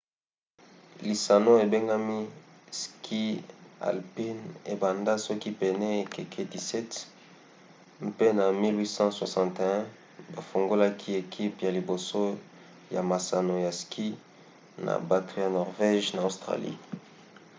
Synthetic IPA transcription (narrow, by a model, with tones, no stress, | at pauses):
li˨sa˨no˦e˨be˦ŋɡa˦mi˦skʰi˦a̰˨lpi˦ne˨ba˨nda˦sɔ˦ki˦pɛ˨nɛ˦e˨ke˨kʰe˦di˨sɛ˦t | mpe˦na˨mi˦lwi˦sɑ̃˦swa˨sɑ̃˨nte˨ɛ̃˦ | ba˨fo˨ŋɡo˦la˦kʰi˦e˨kʰi˦pja˨li˨bo˨so˦ | ja̰˨ma˨sa˨no˨ja˨ski˦ | na̰˨ba˨to˨ja˨nɔ˨ʁve˦ʒna˨o˨stʁa̰˨lḭ˦